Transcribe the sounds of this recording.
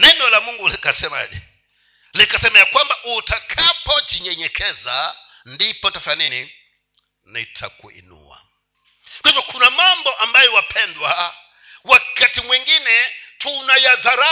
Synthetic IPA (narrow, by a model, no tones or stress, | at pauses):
nɛnɔlamuŋɡulikasɛma̰d͡ʒɛ | likasɛmɛakwambaʔutʰakʰapɔt͡ʃiɲɛɲɛkʰɛza | ndipɔtafanɛni | naitʰa̰kṵḭnṵwa̰ | kwaivɔkʰunamambɔʔambajɔwapʰɛndwa | wakatimwɛŋɡinɛtʰunajaðaɾa